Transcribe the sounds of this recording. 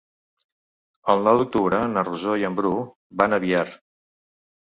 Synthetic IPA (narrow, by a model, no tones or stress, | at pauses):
əlˠnɔwd̪uk̚t̪uβɾənəruzojəmbɾu | banəβiaɾ